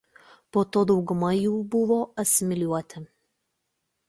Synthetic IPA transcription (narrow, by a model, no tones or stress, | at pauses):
poːt̪oːd̪ɒʊɡʊmɐjuːbʊʋoːɐtsʲɪmʲɪlʲuɔt̪ʲɪ